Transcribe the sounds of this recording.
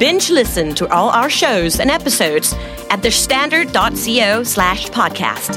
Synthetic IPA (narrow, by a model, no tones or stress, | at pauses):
b̥ɪ̃nt͡ʃlɪsɨ̃ntʰəʔɔlˠa̰ʊə˞ʃoʊzɨ̰̃nɛpɨsoʊdz̥ | ʔɨt̪̚ðə˞stæ̃ndə˞dɑtsioʊslæʃpʰɑd̚kʰæ̰st